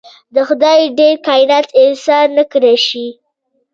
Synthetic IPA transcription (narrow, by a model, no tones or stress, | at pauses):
d̪əxʊd̪ɑjɖeɾkɑjɪnɑt̪ɪnsɑnːəkəɾaʃi